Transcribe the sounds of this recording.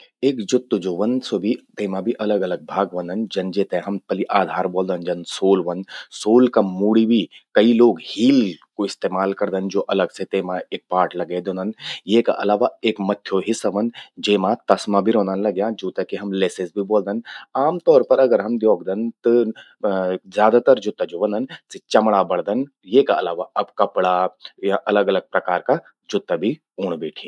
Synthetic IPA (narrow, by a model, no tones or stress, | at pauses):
eːkd͡ʒʊt̪ːud͡ʒoʋɐnsobʱit̪eːmãbʱiʔɐləɡɐləɡ̚bʱaːɡʋɐ̃nd̪ɐnd͡ʒɐnd͡ʒeːt̪ẽɦɐmpɐliʔaːd̪ʱaːɾboːld̪ənd͡ʒɐnsoːlʋɐnsoːlkamuːɽibʱikɐiloːɡhiːlkoɪst̪eːmaːlkɐɾd̪ənd͡ʒoːʔɐləɡset̪eːmaeːk̚paːʈlɐɡed̪õːnd̪ənjeːka̰ʔɐ̰laːʋaeːkmɐt̪ʰːjoɦɪsːaʋɐnd͡ʒeːmãt̪ɐsmãbʱiɾɔ̃ːnd̪ənlɐɡjãːd͡ʒoːt̪əkiɦɐmleːsezbʱiboːld̪ənaːmt̪ɔːɾpɐɾɐɡəɾɦɐmd̪joːɡd̪ənt̪ɨ | zjaːd̪at̪ɐɾd͡ʒʊt̪ːad͡ʒoːʋɐnd̪ənset͡ʃɐmɽabɐɽd̪ən | jeːkaɐlaːʋaʔɐbkɐpɽajaʔɐləɡɐləɡ̚pɾɐkaːɾka | d͡ʒʊt̪ːabʱi | uːɽ̃beːʈʰĩː